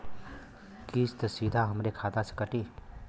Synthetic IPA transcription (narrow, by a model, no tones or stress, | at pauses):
kist̪əsid̪ʱaɦəmɾekʰaːd̪asə̥kəʈiː